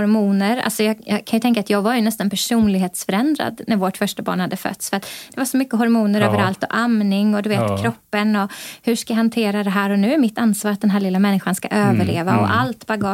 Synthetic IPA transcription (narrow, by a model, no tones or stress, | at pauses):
ɾmuːnəɾa̰lsɔjɑːjɑːkʰanjɵt̪ɛŋkat̪jɑːɡvaɾjɵnɛst̪anpʰæʂuːnlɪɡɦeːt̪sfœɾɛnd̪ɾa̰d̪næɾvoːʈfœʂʈabɑ̰ːɳhad̪ːəfœ̰t̪ːsfœɾat̪d̪̥ɛvaʂɔmʏkːəɦɔɾmuːnəɾøːvəɾalt̪ɔʔamnɪŋɔd̪ɵveːt̪kʰɾɔpːənɔhɵʂkajaɦant̪ʰeːɾad̪ɛɦæːɾɔnʉ̟ːæɾmɪt̪ːansvɑːɾat̪̚d̪ɛnɦæːɭlɪlːamɛnːɪɧanska̰ʔøːvəɭeːvaɔ̰ʔalt̪baɡɑː